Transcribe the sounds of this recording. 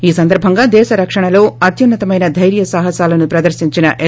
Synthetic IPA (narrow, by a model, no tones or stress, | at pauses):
iːsɐnd̪ɐɾbʱɐŋɡaːd̪ɛːʃɐɾɐkʂɐɳɐlo̞ːɐt̪junːɐt̪ɐmɐjnɐd̪ʱɐjɾjɐsaːɦɐsaːlɐnupɾɐd̪ɐɾʃiɲt͡ʃinɐʔe